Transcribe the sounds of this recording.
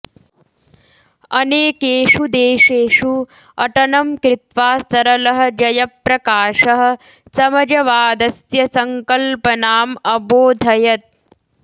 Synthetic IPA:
ɐneːkeːʂud̪eːʂeːʂu | ɐʈɐnɐmkɾɪt̪ʋaːst̪ɐɾɐlɐɦɐ̆d͡ʒɐjɐpɾɐkaːʂɐɦɐ̆ | sɐmɐd͡ʒɐʋaːd̪ɐsjɐsɐŋkɐlpɐnaːmɐboːd̪ʱɐjɐt̪̚

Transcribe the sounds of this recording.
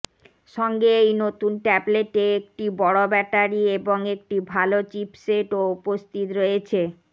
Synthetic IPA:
ʃɔŋɡeejnot̪unʈɛbleʈeek̚ʈibɔɽobɛʈaɾieboŋek̚ʈibʱalot͡ɕipseʈoupost̪it̪ɾojet͡ɕʰe

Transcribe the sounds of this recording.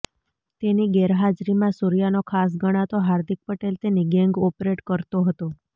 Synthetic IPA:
t̪eniɡɛɾɦad͡ʒɾimãsuɾijanokʰas̬ɡəɽ̃at̪oɦaɾd̪ʱik̚pəʈelt̪eniɡɛŋɡɔpɾeʈkəɾt̪oɦət̪o

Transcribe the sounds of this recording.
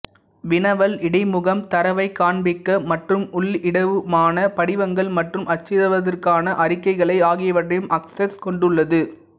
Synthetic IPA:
ʋɪnɐʋɐlɪɽɐɪmʊɣɐmt̪ɐɾɐʋɐɪkːaːɳbɪkːɐmɐʈrɯmʊɭɪɽɐʋɯmaːnɐpɐɽɪʋɐŋɡɐɭmɐʈrɯmɐt͡ʃːɪðɐʋɐðɐrkaːnɐʔɐɾɪkːɐɪɣɐɭɐɪaːɣɪjɐʋɐʈːɐjɯmʔɐksɛskɔɳɖɯɭːɐðɯ

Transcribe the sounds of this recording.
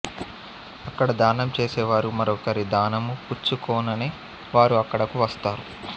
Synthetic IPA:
ɐkːɐɽɐd̪aːnɐmt͡ʃeːsɛːʋaːɾumɐɾɔːkɐɾid̪aːnɐmuput͡ʃːukɔːnɐneː | ʋaːɾuɐkːɐɽɐkuʋɐst̪aːɾu

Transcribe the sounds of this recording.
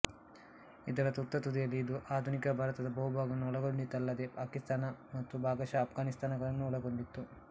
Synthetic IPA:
id̪ɐɾɐt̪ut̪ːɐt̪ud̪ijɐlːiːd̪uʔaːd̪ʱunikɐbʱaːɾɐt̪ɐd̪ɐbɐɦubʱaːɡɐnːuɔɭɐɡoɳɖit̪ːɐlːɐd̪epaːkist̪aːnɐmɐt̪ːubʱaːɡɐʃaːpʰɡaːnist̪ʰaːnɐɡɐɭɐnːuɔɭɐɡoɳɖit̪ːu

